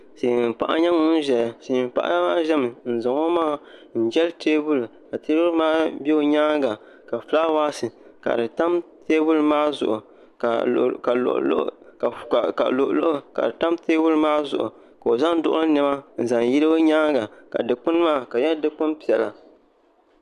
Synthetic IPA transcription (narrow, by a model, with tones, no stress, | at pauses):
seː˨m̩˨pa̰˦ʔa̰˦ɲa˦ŋʊ˦n˦ʒɛ˨lse˨m̩˨pa̰˦ʔa̰˦ma˦ʒɛ˦mɨ˨n̩˨za˨ŋo˦maː˦˨n̩˨d͡ʒɛ˦lteː˦bu˦lka˨teː˦bu˦lmaː˦be˦o˨ɲaː˦ɡa˨ | ka˨fla˦waː˦sɨ˨ka̰˨dɨ˨ta˦mteː˦bu˦lmaː˦zʊ̰˨ʔʊ˨ | ka̰˨ʔl̰ʔ | ka̰˨lʊ˨ʔlʊ˦ʔʊ˦ka̰˨dɨ˨ta˦mteː˦bu˦lmaː˦zʊ̰˨ʔʊ̰˨ | ka˨o˨za˦n˦dʊ˦ʔʊ˦ɨ˦nɨ˦ma˦n̩˨za˨ŋji˦ɾɨ˦o˦ɲa˦ɡa˨ka̰˨dɨ˨k͡pʊ˦n˦maː˦˨ka˨jɛ˦dɨ˦k͡pʊ˦mpi˨ɛ˨la̰˨